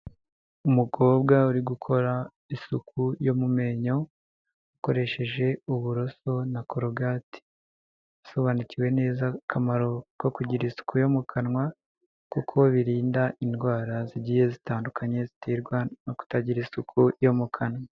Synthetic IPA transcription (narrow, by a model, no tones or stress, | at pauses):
umuɡo̞ːbɡauɾiɡukʰo̞ɾa | isukʰujo̞mume̞ɲo̞ | ako̞ɾe̞ʃe̞ʒe̞uβuɾo̞so̞nako̞ɾoɡati̥ | soβaniciwe̞ne̞ːzakʰamaɾo̞ko̞kuɟiɾisu̥kujo̞mukʰanŋwa | kukʰo̞βiɾiːndaʔinɡwaːɾaziɟije̞zitaːndukʰaɲe̞zitiːɾɡwanoku̥taɟiɾisukʰujo̞mukʰanwa